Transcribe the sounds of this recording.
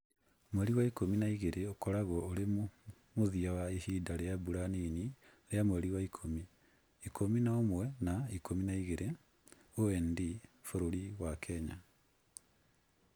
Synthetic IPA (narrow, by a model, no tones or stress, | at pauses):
mwɛɾiwaikominaiɣeɾʔeokɔɾaɣɔːɾem | moðiawaehiːdaɾeabuɾaniniɾeamwɛɾiwaikʰomi | ikʰominaomwɛnaikʰominaiɣeɾe | oɛndifoɾoɾiwakʰɛɲa̰